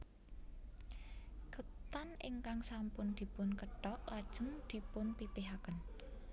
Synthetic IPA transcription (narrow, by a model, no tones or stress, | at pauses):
kət̪anɪ̰ŋkaŋsampʊnd̪̥i̤pʊnkəɖɔʔlad̥ʒ̥ʊ̤ŋd̪̥i̤pʊnpipiɦakən